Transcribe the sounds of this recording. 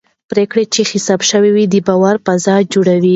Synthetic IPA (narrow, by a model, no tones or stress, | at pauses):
pɾekɽet͡ʃexɪsɑbʃəwiwid̪əbɑwaɾpazɑjd͡ʒoɽawi